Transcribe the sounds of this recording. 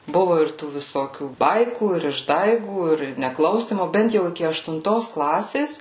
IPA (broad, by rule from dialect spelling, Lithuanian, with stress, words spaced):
ˈbʊʋʊ ɪr ˈtuː ʋʲɪˈsoːkʲuː ˈbɐɪkuː ɪr ɪʒˈdɐɪɡuː ɪr nʲɛˈklˠɐʊsʲiːmoː ˈbʲɛnt jɛʊ ɪˈkʲɪ ɐʃtʊnˈtoːs ˈklˠɑːsʲeːs